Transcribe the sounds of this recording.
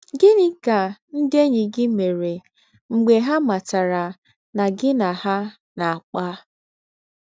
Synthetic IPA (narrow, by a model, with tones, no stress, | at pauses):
ɡɪ˦nɪ˦ka˨n̩˦de˦ɲɪ˨ɡɪ˦me˨ɾe˨ | ŋ͡m̩˨ɡ͡be˨ɦa˦ma˨ta˨ɾa˨ | na˨ɡɪ˦na˨ha˦ | na˨a˨k͡pa˦